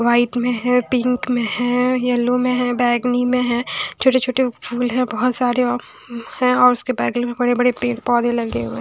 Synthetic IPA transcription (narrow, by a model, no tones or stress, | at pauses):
ʋaːɪt̪mẽɦɛ̃pɪ̃ŋkmẽɦɛ̃jɐlːõmẽɦɛ̃bɛːɡnimẽɦɛ̃t͡ʃʰoːʈet͡ʃʰoːʈefʰuːlɦɛ̃bɔɦɔt̪saːɾe | hɛ̃ɔːɾʊskebɛːɡlimẽbɐɽebɐɽepeːpɔːd̪elɐɡeɦuẽ